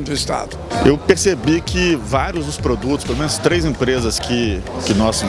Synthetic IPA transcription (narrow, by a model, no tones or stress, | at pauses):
d̪ʊist̪a̰d̪ʊewpeɾsebikɪvaɾjʊzd̪ʊspɾod̪ut̪ʊspelomẽnʊst̪ɾejzẽpɾezɐskɪkɪnɔs